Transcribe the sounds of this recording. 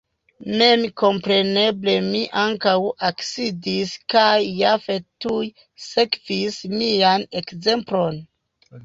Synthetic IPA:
me̞mko̞mpɾe̞ne̞ble̞miʔaŋkawaksidiskajːafe̞tuj | se̞kvismiane̞kze̞mplo̞n

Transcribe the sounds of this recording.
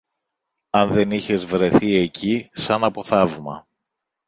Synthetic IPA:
ɐnðe̞niçe̞zvɾe̞θie̞cʰisɐnɐpo̞θɐvmɐ̰

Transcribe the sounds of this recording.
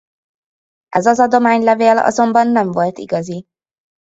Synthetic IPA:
ʔɛzɒzɒd̪o̞maːɲlɛveːlɒ̰zo̞mbɒnːɛɱvo̞lt̪ḭɡɒzi

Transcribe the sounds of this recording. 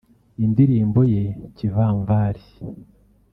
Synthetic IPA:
indiɾiːmbo̞jecivaːɱvaːɾi

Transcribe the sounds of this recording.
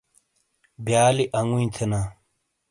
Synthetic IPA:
bjaːliʔɐŋuĩt̪ʰenaː

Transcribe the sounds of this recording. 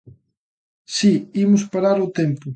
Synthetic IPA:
siimʊspaɾaɾʊt̪empʊ

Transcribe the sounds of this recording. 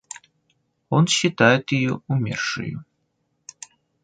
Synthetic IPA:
ɔnɕit̪ajɛt̪jijuumʲɛ̰rʂɨ̰jṵ

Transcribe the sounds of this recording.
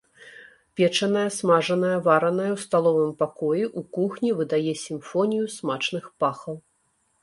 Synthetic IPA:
pʲɛt͡ʂɐnɐjɐsmaʐɐnɐjɐvaɾɐnɐjɐwst̪alˠɔvɨmpakɔjiʔukuxnʲivɨd̪ajɛsʲimfɔnʲijusmat͡ʂnɨxpaxɐw

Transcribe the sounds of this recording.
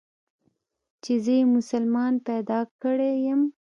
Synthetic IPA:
t͡ʃezəjemʊsalmɑnpɛd̪ɑkəɽejəm

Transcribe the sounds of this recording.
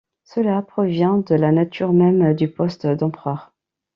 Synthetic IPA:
səlapχɔvjɛ̃d̪əlanat̪ʰyʁmɛmd̪ypɔst̪d̪ɑ̃pχœʁ

